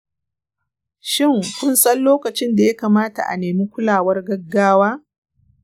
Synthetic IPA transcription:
ʃɪ˦˨ŋkʷʊ˦nsʼɐ˦nloː˦kɐ˨t͡ʃɪ˦nda˨ja˦kaː˨maː˦ta̰˨ʔa̰˨neː˨miː˦kʷʊ˦laː˨wɐ˦rɡɐ˦ɡːaː˦waː˦

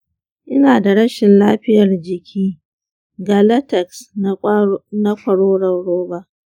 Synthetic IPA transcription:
ʔɪ˦naː˨da˨ɽɐ˦ʃɪ˨nlaː˦ɸɪ˦jɐ˨rd͡ʒɪ˨kʲʰiː˦ | ɡa˨lɐ˦tɛ˨ks | nɐ˦kʷɐ˨ɽoː˦ɽɐ˨wɽoː˦ba˦ʔ

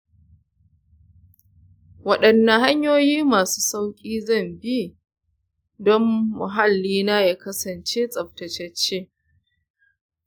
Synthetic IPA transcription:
wɐ˦ɗɐ˨nːɐ˨ɦa˦ɲjoː˦jiː˦maː˨suː˦sa˦wkʲʼiː˦zɐ˦˨mbiː˦ | dɔ˦mmʊ˨ɦa˦lːiː˦na˦ja˦kɐ˦sɐ˨nt͡ʃeː˦sʼɐ˨p̚tɐ˨t͡ʃɛ˦t͡ʃːeː˦

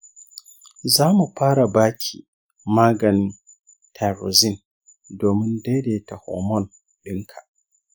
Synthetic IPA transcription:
zaː˦mu˨ɸaː˦ɽa˨baː˦kʲʰḭː˨ | maː˦ɡɐ˨n | tʰa˨ɾo˨zi˦n | doː˨mɪ˦nda˦jde˨ta˨hɔ̰ː˨mɔ˦n | ɗɪ˦ŋkʰa˨

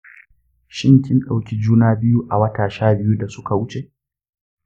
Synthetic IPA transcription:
ʃɪ˦ŋkʲɪ˦nɗa˨wkʲiː˦d͡ʒuː˦naː˦bɪ˦ju˦ʔa˨wɐ˦taː˨ʃaː˦bɪ˦ju˦da˨sʊ˦ka˨wʊ˦t͡ʃe˨ʔ

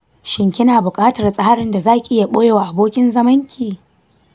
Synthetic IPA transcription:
ʃɪ˦ŋkʲɪ˦naː˨bʊ˨kʼaː˦tɐ˨rsʼa˦ha˦ɽɪ˨nda˨zaː˦kʲi˨ʔɪ˦ja˨ɓoː˦jeː˨waː˨ʔa˨boː˦kʲɪ˦nzɐ˦mɐ˦ŋkʲiː˨

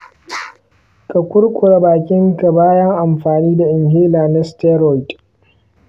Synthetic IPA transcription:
kʼɐ˨kʷʊ˦ɽkʷʼʊ˨ɽa˦baː˨kʲʼɪ˦ŋka˨baː˦jɐ˦ŋʔa˨mɸaː˨niː˦da˨ʔɪ˨ŋɦeː˦laː˨na˦stɛ˦ɾɔ˦jtʼ

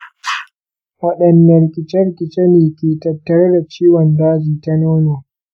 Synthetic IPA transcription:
wɐ˦ɗɐ˨nːɐ˨ɾɪ˨kʲʼɪ˨t͡ʃɛ˦ɾɪ˦˨kʲʼɪ˨t͡ʃe˦neː˨kʲeː˨tɐ˨tːɐ˨ɾe˦da˨t͡ʃiː˦wɔ˨ndaː˦d͡ʒiː˨ta˦noː˦noː˨

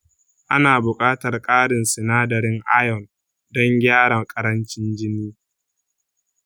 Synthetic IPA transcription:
ʔa˦naː˨bʊ˨kʼaː˦tɐ˨rkʼaː˦ɽɪ˨nsɪ˨naː˦dɐ˨ɾɪ˦ŋʔa˦jɔ˨n | dɔ˦ŋɡʲaː˦ɽɐ˨ŋkʼɐ˦ɾɐ˦nt͡ʃɪ˦nd͡ʒɪ˦niː˦

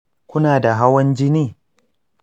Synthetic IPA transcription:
kʷʊ˦naː˨da˨ɦa˦wɐ˦nd͡ʒɪ˦niː˦˨

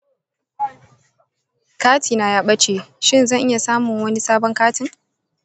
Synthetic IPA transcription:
kaː˦tʰiː˨na˨jaː˦ɓɐ˦t͡ʃeː˨ʃɪ˦nzɐ˦˨ŋʔɪ˦ja˨saː˦mʊ˨ŋwɐ˦ni˦saː˦bɔ˦ŋkaː˦tɪ˨ŋ

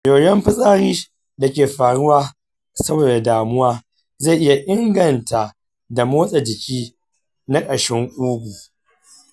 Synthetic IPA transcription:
joː˨jɛ˦mɸɪ˦sʼaː˦ɽiː˦ | da˨kʲeː˨ɸaː˨ɽʊ˦waː˦ | sɐ˦boː˨da˨daː˨mʊ˦waː˦ | ze˦˨ʔɪ˦ja˨ʔɪ˦ŋɡɐ˨nta˨ʔ | da˨moː˦sʼɐ˨d͡ʒɪ˨kʲiː˦ | na˦kʼɐ˨ʃɪ˦ŋʔʷuː˦ɡʷu˨

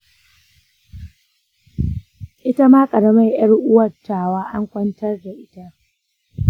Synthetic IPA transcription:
ʔɪ˦ta˦maː˦kʼɐ˨ɽɐ˨ma˦jj̰ɐ˦ɽʔʊ˦wɐ˨rtaː˨waː˦ʔa˦ŋkʷʼɐ˦ntɐ˦rda˨ʔɪ˦ta˦ʔ

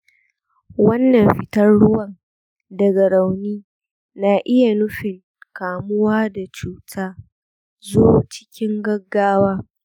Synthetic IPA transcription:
wɐ˦nːɐ˨mɸɪ˨tɐ˦rɽʊ˦wɐ˨ŋ | dɐ˨ɡa˨ɾa˨wniː˦ | na˨ʔɪ˦ja˨nʊ˦ɸɪ˨ŋ | kaː˨mʊ˦waː˦da˨t͡ʃuː˦tʰaː˦ | zoː˦t͡ʃɪ̥˦kʲɪ˦ŋɡɐ˦ɡːaː˦waː˦

